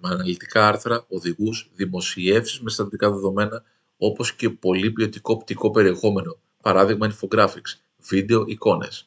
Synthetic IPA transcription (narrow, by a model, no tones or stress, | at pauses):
mɐnɐlit̪i̥kɐɐɾθɾɐo̞ðiɣuzðimo̞sie̞fsizme̞st̪ɐθitd̪ikɐðe̞ðo̞me̞nɐ | o̞po̞sce̞po̞lipio̞t̪iko̞ːpt̪iko̞pe̞ɾie̞xo̞me̞no̞ | pɐɾɐðiɣmɐnifo̞ɡɾɐfiks | vid̪e̞o̞ʔiko̞ne̞̰s